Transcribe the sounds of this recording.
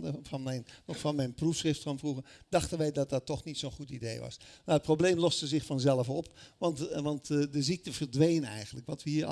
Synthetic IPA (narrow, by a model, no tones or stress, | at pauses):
dəfɑnmɛjnfɑnmɛjnprufsχrɪftkɔnfruɣəd̥ɑχtənʋɛjdɑt̚dɑtːɔxnitsoːnχutidḛjʋɑ̰snaət̚problejmlɔstəzɪχfɑnzɛlˠəfɔpʋɑntʋɑntdəzik̚təvərdʋejnɛ̰jɣəntləkʋɑtʋəhiː